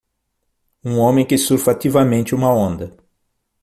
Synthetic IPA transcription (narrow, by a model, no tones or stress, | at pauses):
ũõmẽj̃kɪsuɾfat̪ivɐmẽnt͡ʃɪũmɐõnd̪ɐ